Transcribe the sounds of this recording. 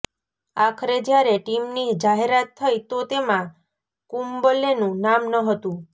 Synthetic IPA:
akʰɾed͡ʒjaɾeʈimnid͡ʒaɦeɾat̪ʰːəjt̪ot̪emã | kumbəlenũnamnəɦət̪ũ

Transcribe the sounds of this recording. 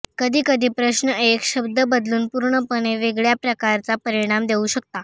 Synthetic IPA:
kəd̪ʱiːkəd̪ʱiːpɾəɕnəekɕəbd̪əbəd̪luːnpuɾɳəpəɳ̃eʋeɡɭjapɾəkaɾt͡sapəɾiɽ̃amd̪euɕək̚t̪a

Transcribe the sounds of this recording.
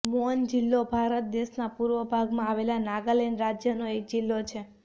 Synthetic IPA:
mond͡ʒilːobʱaɾət̪̚d̪eʃnapuɾʋəbʱaɡmãaʋelanaɡalenɾad͡ʒjənoek̚d͡ʒilːot͡ʃʰe

